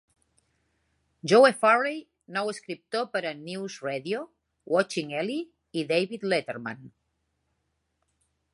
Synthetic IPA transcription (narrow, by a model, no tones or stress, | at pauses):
ʒowefarej | nɔweskɾip̚t̪opəɾənuwzreðio | wɔt͡ʃiŋɛli | iðejβit̪let̪eɾma̰n